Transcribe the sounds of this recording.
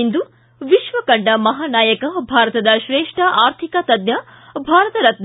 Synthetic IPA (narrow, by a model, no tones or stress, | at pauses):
ind̪u | ʋiʃʋɐkɐɳɖɐmɐɦaːnaːjɐkɐbʱaːɾɐt̪ɐd̪ɐʃɾeːʂʈɐʔaːɾt̪ʰikɐt̪ɐd̪nʲjɐ | bʱaːɾɐt̪ɐɾɐt̪̚n